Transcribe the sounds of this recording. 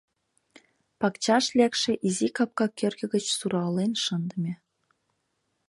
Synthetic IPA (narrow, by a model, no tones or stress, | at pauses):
pɑkt͡ɕɑʃlʲækʃĕʔizikɑp̚kɑkʲørɣɘ̆ɡə̆t͡ɕsuɾɑlenʃə̆nd̪ə̆mʲĕ